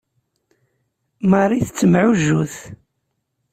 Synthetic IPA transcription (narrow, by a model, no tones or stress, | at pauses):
mərˤːiθət͡sːəmʕuʒːuθ